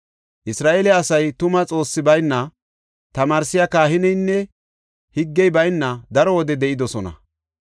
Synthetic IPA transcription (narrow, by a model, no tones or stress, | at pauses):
ʔɪsɾaːʔeːlɛɐsɐjt̪ʊmɐt͡sʼo̞ːsːɪbɐjnːɐ | t̪ɐmaːɾsɪjɐkaːhɪnɛjnːɛ | hɪɡːɛjbɐjnːɐd̪ɐɾɔwɔd̪ɛd̪ɛʔɪd̪ɔsɔnɐ̰